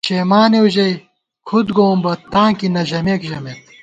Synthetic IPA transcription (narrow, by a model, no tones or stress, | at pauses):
t͡ɕeːmaːneuʑɐj | kʰud̪ɡoːmbɐt̪ãːkinɐʑɐmeːkʑɐmet̪̚